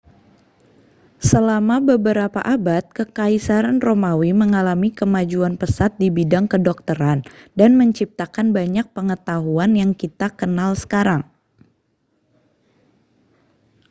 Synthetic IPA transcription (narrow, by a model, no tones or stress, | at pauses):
səlamabəbəɾapa̰ʔabat̪̚kəkaisaɾanromawiməŋalamikəmad͡ʒuanpəsat̪̚dibidaŋkədɔk̚t̪əɾandanməɲt͡ʃip̚t̪akanbaɲak̚pəŋət̪aɦuanjaŋkit̪akənalsə̥kaɾaŋ